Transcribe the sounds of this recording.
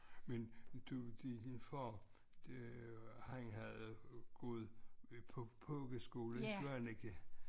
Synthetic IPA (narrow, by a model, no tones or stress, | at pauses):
mend̥ud̥infɒ̥ː | haŋɦæð̩ˠɡ̥ɔːð̞̩ˠpʰɒpʰɔːɡ̥əsɡ̥o̝ːləsæneɡ̥ə